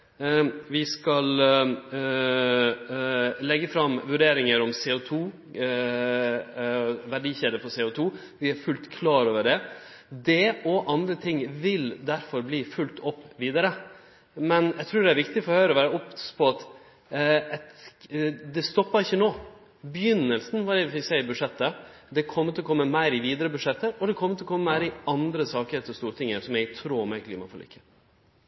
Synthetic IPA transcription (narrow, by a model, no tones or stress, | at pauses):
ʋɪskɑl | lɛɡːəfɾɑmːʋʉɖeːɾɪŋəɾɔmseːʊt̪ʰuː | ʋæɖiːçeːd̪əɾfɔseːʊt̪ʰuː | ʋɪæɾfʉlt̪kʰlɑːɾoːʋəɖɛ | d̪ɛɔʔɑnd̪ɾət̪ʰɪŋʋɪld̪æɾfɔɾbliːfʉlt̪ʰɔpːʋiːd̪əɾə | mɛnjæɪt̪ʰɾʉːɖɛæɾʋɪkt̪ɪfɔɾhœʏɾɔʋæːɾəɔpːpʰɔɑt̪ | ɛt̪ | d̪ɛst̪ɔpːəɾɪçːənoː | bjʏnːəlsn̩ʋɑd̪ɛʋɪfɪksæɪəɾbʉd̪ʂɛt̪ːə | d̪ɛkʰɔmːəɾt̪ʰɪlɔkʰɔmːəmæɪɾɪʋiːd̪əɾəbʉdʂɛt̪ːəɾɔd̪ɛkʰɔmːət̪ɪlɔkɔmːəmæɪɾɪɑnd̪ɾəsɑːkəɾeːt̪əɔst̪uːɾət̪ʰɪŋːəɾsɔmjæɡt̪ʰɾuːmɛkʰlḭːmɑfɔɭḭːkːə